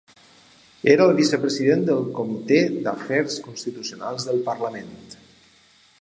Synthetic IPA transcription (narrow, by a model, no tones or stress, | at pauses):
eɾaəlˠβisəpɾəziðend̪əlˠkumit̪ed̪əfɛɾskunst̪it̪usjona̰lˠzðəlˠpəɾləment̪